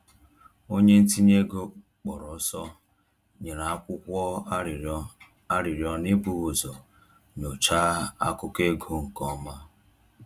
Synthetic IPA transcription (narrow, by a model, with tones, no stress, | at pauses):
o˦ɲe˦n̩˦ti˦ɲe˦ɡo˦ | k͡pɔ˨ɾɔ˨˦sɔ˦ | ɲe˨ɾa˨a˦kʷʊ˦kʷɔ˦˨˦ | a˦ɾi˨ɾjɔ˦ni˦bu˦ɣo˨zɔ˨ | ɲ˨o˨t͡ʃaː˦a̰˦kʊ˦ke˦ɡo˦ŋ̩˨kɔ˦ma˦